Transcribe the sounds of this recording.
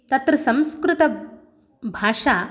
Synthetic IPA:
t̪at̪ɾɐsɐ̃m̃skɾut̪ɐ | bʱaːʂa

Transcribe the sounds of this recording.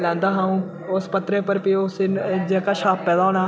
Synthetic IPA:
lɛ̃ːnd̪aːɦãːũː | ʊspət̪ɾẽːpəɾpiosɪnd͡ʒeːkaːʃaːpːɛːd̪aːɦoːna

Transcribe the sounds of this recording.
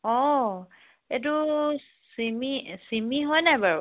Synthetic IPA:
ɔ | et̬u | simisimiɦɔjnajbaɹ

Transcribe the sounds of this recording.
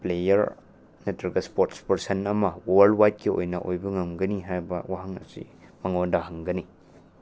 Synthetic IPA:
plejɐɾ | netɐɾɡɐspoɾtspɐɾsenɐmɐwolwajt̚kio̰jnɐ̰ʔojbɐŋɐmɡɐniɦajbɐwaɦɐŋɐ̰sḭmɐŋodaɦɐŋɡɐni

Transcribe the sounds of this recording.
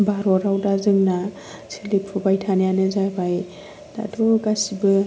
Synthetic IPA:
baɾɔɾawdazɯŋna | sʰilipʰubajtʰanjanɯzajbaj | d̥a̰tʰoɡasibɯ

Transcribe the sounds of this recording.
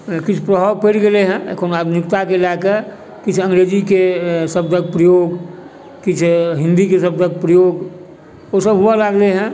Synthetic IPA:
kit͡ʃʰpɾəɦapeʈɡeleɦɛ̰̃kʰonad̪ʱunikt̪akelake | kit͡ʃʰə̃ŋɡɾed͡ʒikesəb̚d̪ʱək̚pɾəjoːɡ | kɪt͡ʃʰɦɪ̃nd̪ikesəb̚d̪ʱək̚pɾəjoɡ | osəbɦualaɡleɦɛ̃

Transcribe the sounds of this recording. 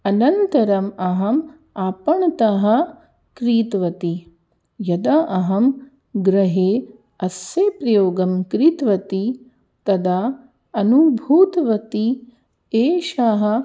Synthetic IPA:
ɐnɐnt̪ɐɾɐmɐɦɐm | aːpɐɳɐt̪ɐɦɐ̆ | kɾiːt̪ʋɐt̪i | jɐd̪aʔɐɦɐm | ɡɾɐɦeː | ɐsjeːpɾɐjoːɡɐmkɾiːt̪ʋɐt̪i | t̪ɐd̪a | ɐnubʱuːt̪ʋɐt̪i | eːʃaɦɐ̆

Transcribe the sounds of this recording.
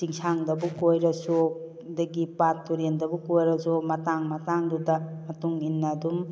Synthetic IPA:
siŋsʰaŋdɐbukojɾɐso | dɐɡipatːuɾendɐbukojɾɐsomɐtaŋmɐtaŋdudɐmɐtuŋinːɐdum

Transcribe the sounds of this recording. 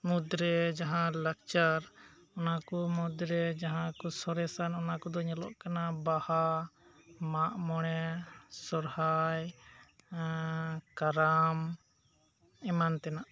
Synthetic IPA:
mud̪ɾɛd͡ʒaɦãlakt͡ʃaɾ | ɔnakɔmɔd̪ɾɛd͡ʒaɦãkɔsɔɾɛsanɔnakɔd̪ɔɲɛlɔ̰ʔkanabaha | maʔmɔɽ̃ɛsɔɾhaj | kaɾam | imant̪ɛnaʔ

